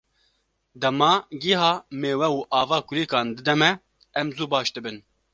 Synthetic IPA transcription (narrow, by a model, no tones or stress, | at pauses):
d̪ɛmɑːɡiɦɑːmeːwɛuːʔɑːvɑːkʊɾeːkɑːnd̪ɨd̪ɛmɛ | ɛmzuːbɑːʃd̪ɨbɨn